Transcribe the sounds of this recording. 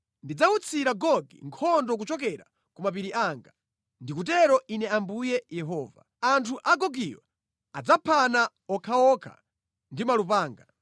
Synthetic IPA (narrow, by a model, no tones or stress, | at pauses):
ndid͡zaut͡sʰiɾaɡɔɡḭŋkʰɔndɔk̬ut͡ʃɔk̬ɛɾa̰ | kumap̬iɾiʔaːŋɡa | ndikut̬ɛɾɔʔinɛambujɛjɛɦɔːva̰ | antʰuʔaɡɔɡiwa̰ | ad͡zapʰana | ɔkʰaɔkʰa̰ | ndimalup̬aːŋɡa